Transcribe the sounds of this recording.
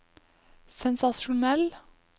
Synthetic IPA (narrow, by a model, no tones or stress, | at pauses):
sɛnsɑʃʊnɛl